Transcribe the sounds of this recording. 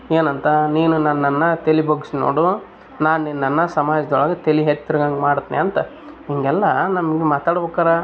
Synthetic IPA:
eːnɐnt̪ɐniːnunɐnːɐnːɐt̪elibɐɡsno̰ːɽu | naːnninːɐnːɐsɐmaːd͡ʒɐd̪ɐɔɭɐɡɐt̪eliɦet̪ːɾɐɡɐŋɡemaːɽt̪ːnḭɐnt̪ɐ | ɦiŋɡɛlːɐnɐmɐɡemaːt̪aːɽbɐkːaːɾɐ

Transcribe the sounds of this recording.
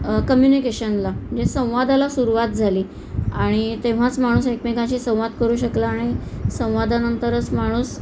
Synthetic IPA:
kəmjunikeɕənlaməd͡ʑesə̃w̃ʋad̪alasuɾuʋat̪̚d͡zʱaliː | aɽ̃it̪ẽʋ̤at͡smaɽ̃uːsekmekãt͡ɕiːsə̃w̃ʋad̪kəɾuːɕəklaːɽ̃isə̃w̃ʋad̪anənt̪əɾət͡smaɽ̃uːs

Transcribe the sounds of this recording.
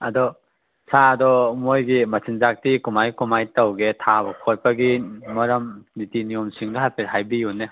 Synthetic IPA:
ɐdɔ | saɐdɔmojɡimɐsʰinzak̚tikumajkumajtɐwɡetʰabɐkʰoj̚pɐɡimɐɾɐmnitinijomsiŋduɦajpɐɦajbijune

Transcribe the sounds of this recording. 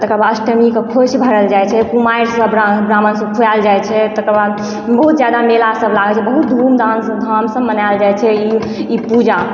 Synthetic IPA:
t̪əkəɾbasʈəmikekʰot͡ʃbʱəɾəld͡ʒajt͡ʃʰɛkumajɾsə̃bɾabɾamənsə̃kʰujald͡ʒajt͡ʃʰɛt̪əkəɾba | bəɦut̪d͡ʒjad̪amelasəblaɡət͡ʃʰɛbəɦut̪̚d̪ʱumd̪ʱansə̃d̪ʱamsə̃mːənald͡ʒajt͡ʃʰɛi | ipud͡ʒa

